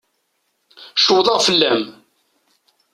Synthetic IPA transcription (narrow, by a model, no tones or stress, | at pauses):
ʃəwðˤɑʁfəlːæm